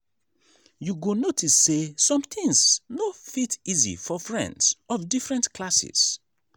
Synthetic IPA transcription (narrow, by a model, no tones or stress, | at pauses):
juɡonotʰisːesɔ̃mθʰĩŋsnofitizḭfɔfɹɛ̰̃ndzɔvdifɹɛ̃ntkʰlasḭs